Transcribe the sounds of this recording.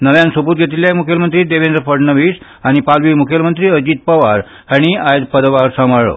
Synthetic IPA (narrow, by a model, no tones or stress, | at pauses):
nəʋjãnsubuːt̪ɡʱet̪̬iljaekmukʰjəlmənt̪ɾiːd̪eʋend̪ɾəpəɽnəʋiːs | aɽ̃ipalʋiːmukʰjəlmənt̪ɾiːəd͡ʑiːt̪̚pəʋaɾ | həɽ̃iajd̪pəd̪ʋaɾsaməɭo̰